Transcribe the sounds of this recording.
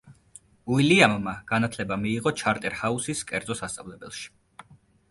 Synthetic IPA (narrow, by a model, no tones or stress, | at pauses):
uiliamːaɡ̥anat̪ʰlɛbamiːʁɔt͡ʃʰaɾt̪ʼɛɾhausiskʼɛɾd̪zʼɔsast̪sʼavlɛbɛlˠʃi̥